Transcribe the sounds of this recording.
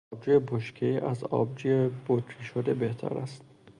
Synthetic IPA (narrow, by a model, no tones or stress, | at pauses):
b̚d͡ʒujeboʃkʰeiʔæzɒ̰ːb̚d͡ʒujebot̪ɾiʃod̪ebeht̪ʰæ̰ɾæ̰st̪̚